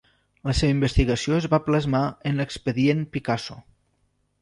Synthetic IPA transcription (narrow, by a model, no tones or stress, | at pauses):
ləseβəimbəst̪iɣəsioəzβapləzmaənləkspəðienpikaso